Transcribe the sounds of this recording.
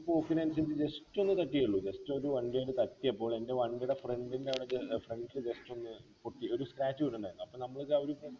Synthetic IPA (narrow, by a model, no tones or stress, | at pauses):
poːkːinɐns̬ɐndd͡ʑe̞stːo̞nːɨt̪ɐʈːijɐɭːud͡ʑe̞stːuoɾuʋɐɳɖijɐjɽɨt̪ɐtːijɐpːo̞ːɭe̞nde̞ʋɐɳɖiɽefreɳɖindeɐʋiɽeefreɳɖild͡ʑe̞sto̞nːɨpoʈːio̞ɾuskraːt͡ɕːuoɳɖuɳɖaːjɾunːuɐpːoːnɐmːɐɭkːɐʋoɾu